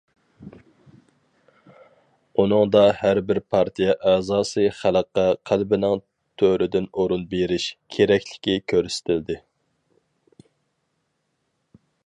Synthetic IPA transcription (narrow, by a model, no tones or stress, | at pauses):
unɨŋd̪ɑhæɾbɪɾpʰɑɾt̪ʰijɛʔɛzɑːsɨχæləqːɑqʰælbɪnɪŋ | t̪ʰøɾɪd̪ɪnoɾunbeɾɪʃkʲʰeɾɛkʲlɪ̥kʲikʲʰøɾysɪ̥t̪ʰɪld̪ɪ